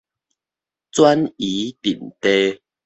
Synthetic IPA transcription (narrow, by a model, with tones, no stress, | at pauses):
t͡swa˦ni˨˦t̪ḭ˨˩nt̪e˦